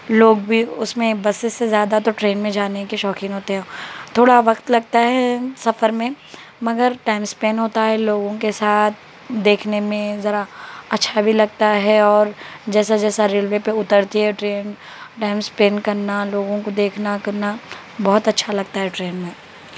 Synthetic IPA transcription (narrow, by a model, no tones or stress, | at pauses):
loːɡbʱiʊsmẽbɐsesːezjaːd̪at̪oʈɾeːnmẽd͡ʒaːnekeʃɔːkɪ̃ŋɦoːt̪eɦɛ̃t̪ʰoːɽaʋɐqt̪lɐɡ̚t̪aɦɛsɐfəɾmẽ | mɐɡəɾʈaːɪmspeːnɦoːt̪aɦɛloːɡõkesaːt̪̚ʰ | d̪eːkʰnemẽzɐɾaɐtːʃʰabʱilɐɡ̚t̪aɦɛɔːɾd͡ʒɛːsad͡ʒɛːsaɾeːlʋepeʊt̪əɾt̪iɦɛʈɾeːn | ʈaːɪmspeːnkɐɾnaloːɡõkod̪eːkʰnakɐɾna | bɔɦʊt̪ɐtːʃʰalɐɡ̚t̪aɦɛʈɾeːnmẽ